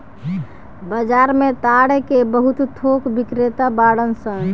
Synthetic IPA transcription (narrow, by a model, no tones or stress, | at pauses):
bəd͡ʒaɾmet̪aɽekebəɦut̪t̪ʰokbikɾet̪abaɽənsə̃ŋ